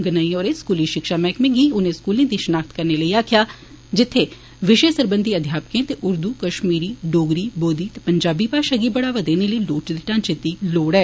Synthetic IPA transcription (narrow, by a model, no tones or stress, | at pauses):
ɡənəiɔːɾeskuːliːʃɪkʃaːmɛ̃ːkmẽːɡiːʊnẽːskuːlẽːd̪iːʃənaːkt̪kəɾneːləiːaːkʰɪjaː | d͡ʒɪt̪ʰːeː | ʋɪʃeːsəɾbə̃nd̪ʱiːəd̪ʱjaːpkẽːt̪eʔʊɾd̪uːkəʃmiːɾiːɖoːɡɾiːboːd̪iːt̪epəɲd͡ʒaːbiːpaːʃaɡiːbəɽaːʋaːd̪eːneːləiːloːʈd̪eʈãːnt͡ʃet̪iːloːɽɛː